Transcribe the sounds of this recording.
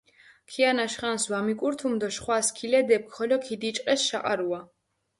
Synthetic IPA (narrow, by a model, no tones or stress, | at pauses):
kʰianaʃχanswamikʼuɾt̪ʰumd̪ɔʃχwaskʰilɛd̪ɛp̚kʰχɔlɔkʰid̪it͡ʃʼqʼɛsʃaqʼa̰ɾua